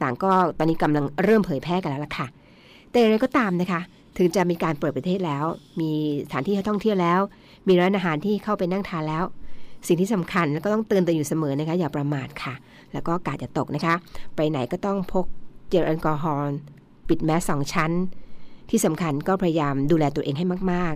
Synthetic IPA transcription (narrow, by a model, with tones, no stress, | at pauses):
t̪aː˨˩ŋkɔː˥˩t̪ɔː˧nːiː˦˥ka˧mla˧ŋɾɤː˥˩mpʰɤː˩˦jpʰɛː˥˩ka˨nlɛ˦˥wla˨˩kʰa˥˩ | t̪ɛ˨˩ja˨ŋɾa˧jkɔ˥˩t̪aː˧mna˦˥kʰa˦˥ʔ | t̪ʰɯ˨˩˦ŋt͡ɕa˨˩miː˧kaː˧npɤː˨˩t̪̚pɾa˧t̪ʰeː˥˩t̪̚lɛː˦˥wmiː˧sa˩t̪ʰaː˨˦nʰiː˥˩a˥˩t̪ʰŋt̪ʰi˥˩əwlɛː˦˥w | miː˧ɾa˧ɾa˧˥nʔaː˧ɦaː˨˩˦nt̪ʰiː˥˩kʰa˥˩wpa˧jna˥˩ŋt̪ʰaː˧nlɛː˦˥wsi˨˩ŋt̪iː˥˩sa˩˦mkʰa˧nlɛ˧˥kɔ˥˩t̪ɔ˥ŋt̪ɯː˧nt̪u˧juː˨˩sa˧mɤː˩˦na˦˥kʰa˦˥jaː˨˩pɾa˧maː˨˩t̪̚kʰa˥˩ | lɛː˦˥wkɔː˥˩ʔa˧kaː˨˩t̪̚t͡ɕa˨˩t̪o˨˩k̚na˦˥kʰa˦˥ʔpa˧jna˩˦jkɔː˥˩t̪ɔ˥˩ŋpʰo˦˥k̚t͡ɕi˧˩tʔa˧nkɔː˧ɦɔː˧ | pi˨˩t̪̚mɛː˦˥sɔː˩˦ŋt͡ɕʰa˦˥nt̪ʰiː˥˩sa˩˦mkʰa˧nkɔː˥˩pʰa˧ja˧jaː˧mduː˧lɛː˧t̪u˧ɐʔeː˧ŋɦa˥˩jmaː˥˩k̚maː˥˩k̚